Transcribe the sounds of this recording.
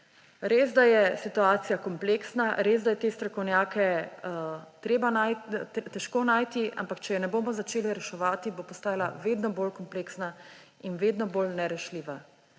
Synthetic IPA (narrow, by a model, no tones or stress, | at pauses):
ɾeːzd̪ajɛsit̪uaːt̪sijakɔmpleːksnaɾez̬d̪ajɛt̪eːst̪ɾɔkɔwnjaːkɛ | t̪ɾeːbanat̪ɛʃkoːnaːjt̪iʔa̰mpakt͡ʃɛjɔnɛboːmɔzat͡ʃeːliɾɛʃɛʋaːt̪ibopɔst̪aːjala̰ʋeːd̪nɔboːlkɔmpleːksna | inʋeːd̪nɔbolnɛɾɛʃliːʋa